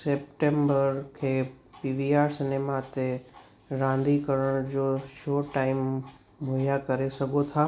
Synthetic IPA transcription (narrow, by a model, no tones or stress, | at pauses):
seːp̚ʈẽmbəɾkʰeː | piʋiaːɾsɪnemat̪e | ɾãn̆d̪ikəɾəɽ̃d͡ʑoʃoːʈaːɪmː | ʊɦjakəɾesəɡʱot̪ʰaː